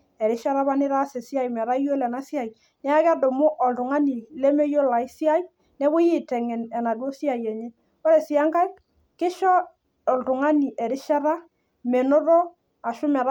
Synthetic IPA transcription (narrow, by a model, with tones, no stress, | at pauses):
ɛ˨ɾɪ˦ʃa˦ɾa˦ba˦nɪ˦ɾa˦se˨sɪ˦a˦jmɛ˨ɾa˦jo˦lɛ˨na˦sɪ˦a˨j | nɛ˦a˦ka˦do˨mo˦ʔɔ˨ltʊ˨ŋa˦ni˨lɛ˦me˦jo˦la˨i˦sɪ˦a˦j | nɛ˦bʊ˦jɪ˦˨tɛ˨ŋɛ˨nɛ˨na˨do˦si˦a˨jɛ˨ɲɛ˦ | kɔ˦ɾɛ˨sɪ˦a˦ŋka˦i˦ | kɪ˦ʃɔ˦ | ɔ˨ltʊ˨ŋa˦ni˨ʔɛ˨ɾɪ˦ʃa˦ɾa˦ | me˨no˦ɾɔ˦ | a˨ʃʊ˦mɛ˨ɾ